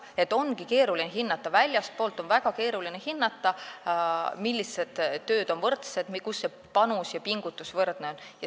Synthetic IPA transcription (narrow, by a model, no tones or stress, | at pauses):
e̞t̪ːˑo̞nɡike̞ːɾulineɦinːɑt̪ːˑɑvælʲjɑst̪̚poːlt̪ːˑo̞nvæɡ̥ɑke̞ːɾulinehinːɑt̪ːˑɑ | milʲːised̪̥ø̞ːd̪̥o̞nvɤrt̪se̞d̪mkusːe̞ | pɑnusjɑpiŋɡ̥ut̪ːˑusvɤrd̪̥ne̞o̞njɑ